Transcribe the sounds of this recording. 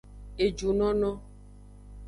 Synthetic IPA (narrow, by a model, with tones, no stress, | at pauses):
e˨d͡ʒu˨nɔ̃˦nɔ̃˦